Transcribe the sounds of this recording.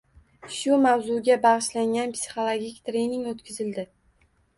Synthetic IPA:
ʃʊmawzʊɡʲabɑʁɨʃlaŋɡʲanpsʲi̥χolˠoɡʲikʲt̪ʰɾe̞jnɪŋɡot̪kʲʰɪzɪld̪ɪ

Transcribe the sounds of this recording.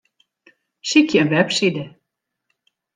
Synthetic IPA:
sikʰjəənʋɛpsidə

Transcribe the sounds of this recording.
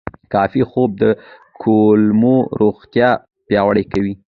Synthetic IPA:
kɑfixob̚d̪əkʰolmoɾʔoɣt̪jɑ | pjɑwəɽəjkawi

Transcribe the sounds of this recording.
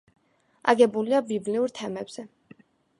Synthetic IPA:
a̰ɡɛbuliabibliuɾt̪ʰɛmɛbz̥ɛ

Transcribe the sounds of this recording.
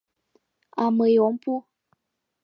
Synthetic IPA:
aməjɔmpu

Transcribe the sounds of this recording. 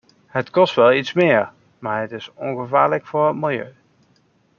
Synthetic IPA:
ɦətkɔstʋɛlˠitsmɪːɹ | maːɹɦətɪsɔŋɣəvaːɹləkfʊːɹɦətmɪlˠjø̰ɥ

